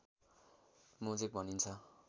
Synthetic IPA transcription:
mud͡zek̚bʱʌnint͡sʰʌ

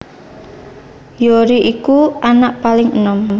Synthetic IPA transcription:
joɾiʔikuʔanaʔpalɪŋənɔm

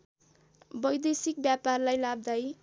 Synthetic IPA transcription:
bʌjd̪esik̚bjaparlajlab̚d̪aj

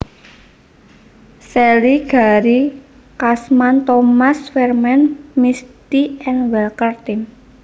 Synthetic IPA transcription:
sɛliɡ̥a̤ɾi | kasmant̪omasfɛrmɛnmist̪iɛnwɛlkərt̪in

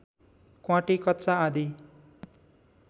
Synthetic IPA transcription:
kwãʈikʌt̪ːt͡saad̪i

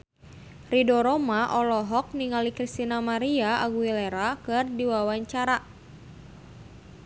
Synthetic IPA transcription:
ridɔɾɔmaʔɔlɔɦɔk̚niŋalikɾist̪inamaɾiaʔaɡuileɾakɨrdiwawaɲt͡ʃaɾa

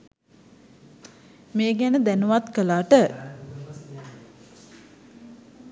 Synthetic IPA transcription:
meːɡænəd̪ænəʋat̪kəlaːʈə

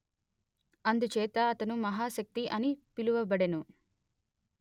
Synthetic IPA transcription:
ɐnd̪ut͡ʃɛːt̪ɐːt̪ɐnumɐɦaːʃɐk̚t̪iʔɐnipiluʋɐbɐɽenu

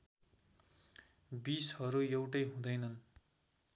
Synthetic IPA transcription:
bishʌɾujewʈʌjɦũd̪ʌjnʌn

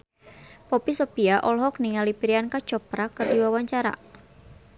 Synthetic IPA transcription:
pɔpisɔpiaʔɔlɦɔk̚niŋalipiɾiankḁt͡ʃɔpɾakərdiwawaɲt͡ʃaɾa̰

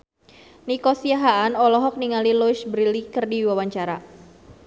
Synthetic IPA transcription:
nikɔsiaɦaːnɔlɔɦɔk̚niŋalilɔʃbɾilikərdiwawaɲt͡ʃaɾa

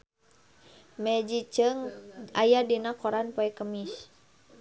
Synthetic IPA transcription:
mɛd͡ʒit͡ʃəŋajadinakɔɾanpɔɛkəmis

